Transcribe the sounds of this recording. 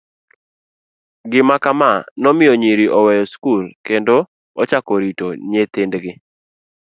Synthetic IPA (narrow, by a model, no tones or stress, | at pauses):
ɡɪmakamanɔmɪjoɲiɾiʔɔwɛjɔskulkendo | ɔt͡ʃakoɾitoɲet̪ɪndɡɪ